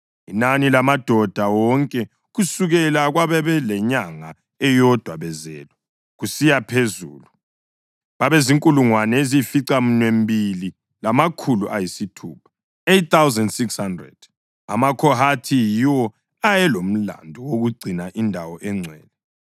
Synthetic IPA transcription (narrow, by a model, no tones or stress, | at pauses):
ḭnanilamad̥ʱɔd̥ʱawɔŋkʼɛ | ɣusuɣɛlaɣwaβɛβɛlɛɲaŋa | ɛjɔd̥ʱwaβɛzɛ̰ːlɔ | ɣusijapʰezṵːlu | βaβeziŋkʼuluŋwanɛezifiǀam̩nwembili | lamakʰuluʔajisitʰuːpʰḁ | ett̪θawzɛndsikshandrɛ̰d̥ | a̰makʰɔɦatʰijiwɔ | ajɛlom̩la̰ndʱɔwoɣuɡ͡ǀʱinaʔindʱawɔʔɛŋ͡ǀʱɛːlɛ